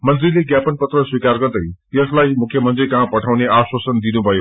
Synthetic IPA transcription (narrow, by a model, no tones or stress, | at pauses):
mʌnt̪rileɡjapʌnpʌt̪rʌswikarɡʌrd̪ʌjjʌslajmukʰjʌmʌnt̪rikaɦãpʌʈʰawneaswʌsʌnd̪inubʱʌjo